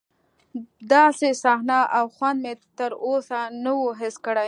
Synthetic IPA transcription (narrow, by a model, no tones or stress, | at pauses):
d̪ɑsesɑhnaʔawxwand̪̚met̪əɾosanəwoɦɪskəɽaj